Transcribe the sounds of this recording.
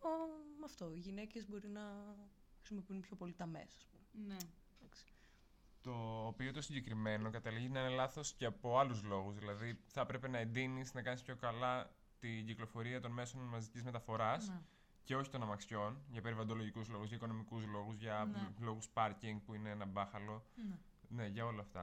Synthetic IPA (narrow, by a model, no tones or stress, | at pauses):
omɐft̪o̞iʝine̞ce̞zbo̞ɾinɐ | xɾisimo̞piunpço̞po̞lit̪ɐme̞̰sɐspumen | d̪ɐksi̥ | t̪o̞piot̪osiɲɟe̞kɾime̞no̞kɐt̪ɐliʝiznɐine̞lɐθo̞sceɐpo̞ɐluzlo̞ɣuzðilɐðiθɐpɾe̞pe̞nɐend̪inisnɐkɐnispçokɐlɐ | t̪iɟiklo̞fo̞ɾiɐt̪o̞nme̞so̞nmɐzicizme̞t̪ɐfo̞ɾɐs | ce̞o̞çit̪o̞nɐmɐksço̞nʝɐpe̞ɾivɐnd̪o̞lo̞ʝikuzlo̞ɣuzʝɐiko̞no̞mikuzlo̞ɣuzʝɐlo̞ɣuspɐɾciŋɡ̚puineenɐbɐxɐlo̞n | ne̞ʝɐo̞lɐːft̪ɐ